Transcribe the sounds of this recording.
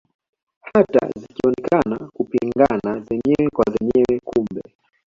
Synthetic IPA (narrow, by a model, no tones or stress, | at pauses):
hata̰zikiɔnɛkanakupiŋɡanazɛɲɛwɛkwazɛɲɛwɛkumbɛ̰